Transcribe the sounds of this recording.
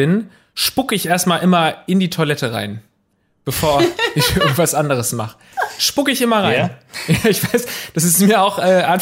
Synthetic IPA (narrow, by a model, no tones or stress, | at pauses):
ɪn | ʃpʊkəɪçʔeːɐstmaːlʔɪmɐɪndiːtʰoɐlɛtəʁa̰ɪn | b̥əfoːɐʔɪçɪɐɡŋ̩tv̥asʔandəʁ̞əsmaχə | ʃpʊkəɪçɪmɐʁaɪnjaːɪçv̥aɪsd̥asɪstmiːɐaʊxʔɛːʔaɪn